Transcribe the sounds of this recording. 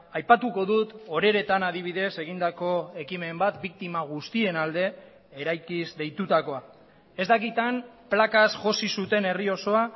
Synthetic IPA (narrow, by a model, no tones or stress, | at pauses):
ajpat̪uko̞ðut̪o̞ɾe̞ɾe̞t̪anaðiβ̞iðe̞se̞ɣ̞ind̪ako̞e̞kime̞mbat̪bik̚t̪imaɣ̞ust̪ie̞nald̪e̞ | eɾajkizd̪e̞jt̪ut̪ako̞a | e̞zd̪akit̪amplakasʝo̞sisut̪e̞ne̞rio̞so̞a